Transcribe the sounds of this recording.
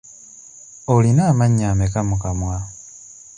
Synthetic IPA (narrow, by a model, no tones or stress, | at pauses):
olinaːmaɲːamekamukamwa